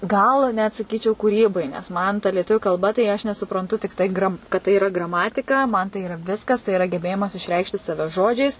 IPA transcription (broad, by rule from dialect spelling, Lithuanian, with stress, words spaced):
ˈɡɐlˠ nʲɛt sɐˈkʲiːt͡ʃʲɛʊ kuːˈrʲiːbɐɪ nʲɛs ˈmɐn tɐ lʲiɛˈtʊʋʲʊ kɐlˠˈbɐ tɐɪ ˈɐʃ nʲɛsʊprɐnˈtʊ tʲɪkˈtɐɪ ɡrɐm kɐt tɐɪ iːˈrɐ ɡrɐˈmɑːtʲɪkɐ mɐn tɐɪ iːˈrɐ ˈʋʲɪskɐs tɐɪ ɪˈrɐ ɡʲɛˈbʲeːjɪmɐs ɪʃʲˈrʲɛɪkʃʲtʲɪ ˈsɑːʋʲɛ ˈʒoːd͡ʒʲɛɪs